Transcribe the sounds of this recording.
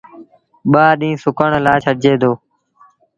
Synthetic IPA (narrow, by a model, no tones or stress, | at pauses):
ɓaːɗĩːsʊkəɳlaːt͡ʃʰəɽd͡ʒeːd̪oː